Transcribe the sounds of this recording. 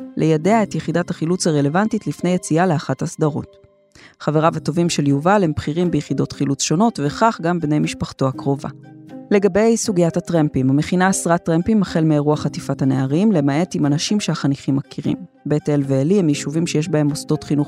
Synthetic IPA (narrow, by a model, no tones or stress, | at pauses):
lejadeae̞tjeχidataχilut͡saʁele̞vantitlifne̞jet͡sialeaχathasdaʁo̞̰t | χaveʁavato̞vimʃe̞ljuvalhembχiʁimbejeχido̞tχilut͡sʃo̞no̞tveχaχɡambnejmiʃpaχtoakʁo̞va̰le̞ɡabe̞jsuɡijathatʁempimameχinaːsʁatʁempimaχe̞lmeʁuaχatifathane̞aʁimle̞mae̞timanaʃimʃeaχaniχimːakʰiʁḭmbe̞telveːlimjiʃuvimʃejeʃbae̞mosto̞tχinuχ